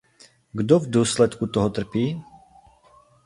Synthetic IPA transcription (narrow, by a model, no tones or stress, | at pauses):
ɡd̪ɔvd̪ʊɔːslɛt̪kut̪ɔɦɔt̪r̩piː